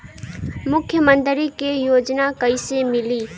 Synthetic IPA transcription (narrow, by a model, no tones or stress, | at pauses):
mʊkʰːjəmə̃nt̪ɾikejoːd͡ʒnakɐisemɪliː